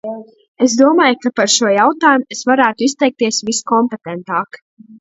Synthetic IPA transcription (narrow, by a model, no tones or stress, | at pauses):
es̬d̪uɔmaːjkapaɾʃuɔjawt̪aːjumuesvaɾæːt̪uist̪ɛjk̚t̪iɛsviskɔmpet̪ɛnt̪aːk